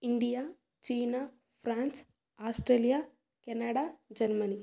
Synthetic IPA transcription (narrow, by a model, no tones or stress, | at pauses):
iɳɖijaː | t͡ʃiːna | pʰɾaːns | aːsʈɾeːlija | kɛnɐɽad͡ʒɐɾmɐni